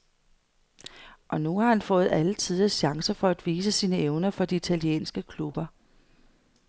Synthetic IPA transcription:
ʔɒ̽nuhɑ̈hænfɔ̽ːð̞̩ˠælət͡sʰið̞ˠɐɕɑ̈ŋsɐfɒ̽æd̥ʋiːs̬əsiːnəeʊnɐfɒ̽d̥iːt͡sʰæliḛːnsɡ̥əkʰlub̥ɐ

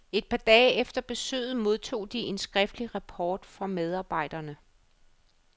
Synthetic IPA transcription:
e̝d̥̚pʰɑ̈d̥ɛːefd̥ɐb̥e̝sø̰ːð̩ˠmo̝ð̞ˠt͡sʰo̝̰ːd̥ie̝nsɡ̥ʁɛfd̥liʁɑpʰɒːd̥fɒ̽með̞ˠɑ̈ːb̥ɑ̈ɪ̰d̥ɐnə

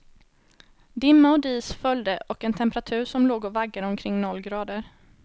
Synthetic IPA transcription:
d̪ɪmːaɔd̪iːsfœld̪əʔɔkɛnt̪ʰɛmpəɾat̪ʰʉ̟ːɾʂɔmloːɡɔvaɡːad̪əɔmkʰɾɪŋːnɔlːɡɾɑːd̪əɾ

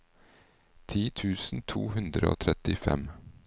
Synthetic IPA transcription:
t̪ʰiːt̪ʰʉːsn̩t̪ʰuːhʉnd̪ɾəo̰ːt̪ʰɾɛt̪ɪfɛ̰m

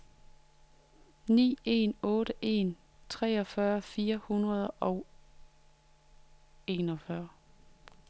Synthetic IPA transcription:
nḭːe̝̰ːnɔ̽ːɾ̥əʔe̝̰n | t͡sʰʁɛ̰ːɒ̽fɶɐfiːɐhunʁɐð̞ˠʔɒ̽ʊ | e̝nɒ̽fɶɐ

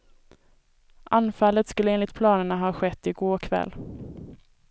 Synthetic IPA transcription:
ʔanfalːət̪skɵlːəeːnlɪkt̪̚pʰlɑːnəɳaɦɑːɧɛt̪ːɪɡoːkʰvɛ̰lː

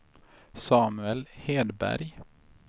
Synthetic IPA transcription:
sɑːmʉɛlheːd̪bæ̰ɾj

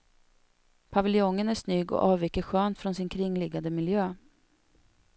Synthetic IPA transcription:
pʰavɪljɔŋːənæʂnyːɡɔ̰ʔɑːvvɛkːəɧøːnt̪fɾɔnsɪnkʰɾɪŋːlɪɡːand̪əmɪljøː

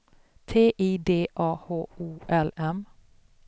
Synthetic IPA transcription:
t̪ʰeːʔiːd̪eːʔɑːhoːuːʔɛlɛm

